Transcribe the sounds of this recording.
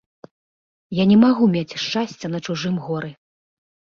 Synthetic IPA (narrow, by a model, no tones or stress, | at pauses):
janʲɛmaɣumʲat͡sʲʂt͡ʂasʲt͡sʲɛnɐt͡ʂuʐɨmɣɔɾɨ